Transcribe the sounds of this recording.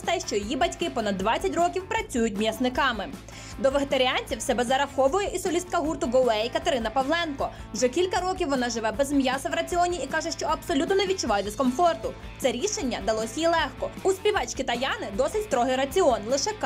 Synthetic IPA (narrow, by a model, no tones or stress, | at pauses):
t̪ɛʃt͡ʃɔjɔjibɐtʲkɪpɔnɐd̪ːʋɑt͡sʲːɐtʲrɔkʲiwpɾɐt͡sʲujʊt̚ʲmjɐsnɪkɑmɪ | d̪ɔʋeɦet̪ɐɾʲiɑnʲt͡sʲiwsɛbɛzɐɾɐxɔʋʊjɛʔisɔlʲist̪̚kɐɦurt̪ʊɡɔlɛjikɐt̪eɾɪnɐpɐwlˠɛnkɔ | ʒɛkʲilʲkɐɾɔkʲiwʋɔnɑʒɪʋɛbɛzmjɑsɐʋɾɐt͡sʲiɔnʲiikɑʒɛʃt͡ʃɔɐbsɔlʲut̪nɔneʋʲid̚t͡ʃʊʋɑjɛd̪eskɔmfɔrt̪ʊ | t̪sɛɾʲiʃenʲːɐd̪ɐlˠɔsʲɐjilˠɛxkɔuspʲiʋɑt͡ʃkʲit̪ɐjɑnɪd̪ɔsɪtʲst̪ɾɔɦɪjɾɐt͡sʲiɔnlˠɪʃɛk